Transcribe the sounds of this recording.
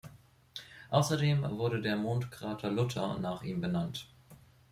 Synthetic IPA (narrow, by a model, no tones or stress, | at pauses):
ʔaʊsɐdeːmvʊɐɾədeːɐmoːntkʁ̥aːtʰɐlʊtʰɐ̰naːχʔiːmbənant